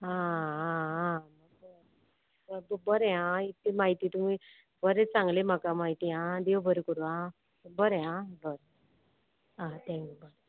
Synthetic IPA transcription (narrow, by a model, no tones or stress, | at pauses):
ɦãɦããmək | bbbəɾẽãit̪ːemaɦit̪it̪umi | bəɾẽt͡sãŋɡlem̤akamaɦit̪iãd̪eʋbʱəɾekəɾuã | bəɾeãbəɾe | ãt̪ʰɛ̃ŋkjubəɾ